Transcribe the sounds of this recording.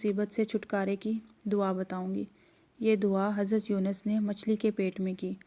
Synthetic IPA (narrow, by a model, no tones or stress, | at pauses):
ʊsiːbət̪set͡ʃʰʊʈkaːɾeki | d̪ʊabɐt̪aːõːŋɡḭː | jeːd̪ʊaɦɐzɾət̪juːnəsnemɐt͡ʃʰlikepeːʈmẽkiː